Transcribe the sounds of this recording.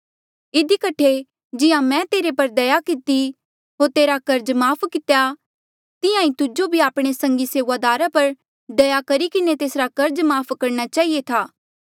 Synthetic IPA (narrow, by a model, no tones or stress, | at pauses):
ɪd̪ikɐʈʰe | d͡ʒɪjãmɛ̃t̪eːɾepɐɾd̪ɐjakɪt̪i | ɦoːɾt̪eːɾakɐɾd͡ʒmaːpʰkɪt̪ja | t̪ɪjãĩt̪ʊd͡ʒobʱiaːpɽ̃esɐ̃ŋɡiseːʋad̪aːɾapɐɾ | d̪ɐjakɐɾikɪnet̪eːsɾakɐɾd͡ʒmaːpʰkɐɾɽ̃at͡ʃaːɦiet̪ʰaː